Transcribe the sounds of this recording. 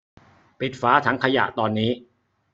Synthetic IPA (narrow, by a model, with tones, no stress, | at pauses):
pi˨˩t̪̚faː˦˥t̪ʰa˦˥ŋkʰa˧ja̰˨˩ʔt̪ɔː˧nːiː˦˥